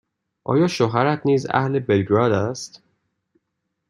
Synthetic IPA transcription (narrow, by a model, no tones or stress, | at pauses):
ʔɒ̰ːjɒːʃoɦæɾæt̪ʰniːzæ̰hle̞belɡɾɒːd̪æst̪